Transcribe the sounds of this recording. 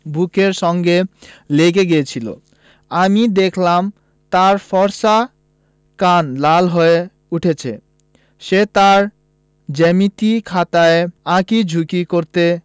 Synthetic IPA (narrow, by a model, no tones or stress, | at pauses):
bukeɾʃɔŋɡeleɡeɡejet͡ɕʰilo̰ | amid̪ekʰlam | t̪aɾfɔɾʃa | kanlalɦoe | uʈʰet͡ɕʰḛ | ʃet̪aɾ | d͡ʑemit̪ikʰat̪aeãkid͡ʑʱukikoɾt̪e